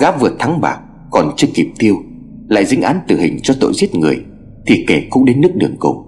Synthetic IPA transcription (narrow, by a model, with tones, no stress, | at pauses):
ɣaː˦˥p̚vɨ˨˩ət̚t̪ʰa˨˦ŋɓa̰ː˨˩k̚ | kɔ˨˩nt͡ɕɨ˧ki˨˩p̚t̪i˧əw | la̰ː˧˨jzɨ̰˧˦ŋ̟ʔaː˨˦nt̪ɨ˨˩hï˨˩ŋ̟t͡ɕɔ˧t̪o̰˧˨jzi˦˥ət̚ŋɨ˨˩əj | t̪ʰi˨˩ke˧˩kʊ̰˧˥ŋ͡mɗe˨˦nːɨ˦˥ək̚ɗɨ˨˩əŋkʊ̰˨˧˩w